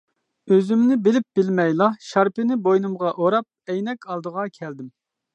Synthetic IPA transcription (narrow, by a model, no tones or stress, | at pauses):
øzymnɪbɪlɪp̚bɪlmɛjlˠɑʃɑɾpɪnɪbojnɨmʁɑʔoɾɑp̚ɛjnɛkʲɑlˠd̪əʁɑkʲʰɛld̪ɪm